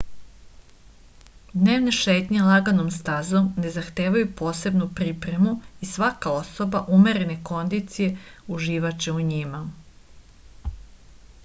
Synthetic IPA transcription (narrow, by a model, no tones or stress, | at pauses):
d̪ne̞ːʋne̞ʃeːt̪ɲelˠaɡanomst̪azomne̞zaxt̪e̞ːʋajupo̞ːse̞bnupɾipɾe̞muisʋakao̞so̞baʔume̞ɾe̞ne̞ko̞nd̪it̪sije̞uʒiːʋat͡ʃeuɲima